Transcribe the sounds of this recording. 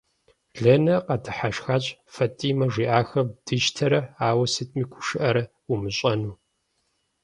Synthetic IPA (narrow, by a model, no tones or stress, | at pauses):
ɮɐnɐqɐtʰɨ̥ħaʃxaːɕʼfɐtʼiːmɐʐʷiːʔaːxɐbd̥ɨʒtʰɐɾɐaːwɐsɨtʰʼmiːkʷʰʊ̥ʃɨʔɐɾɐ | umɨɕʼɐnuː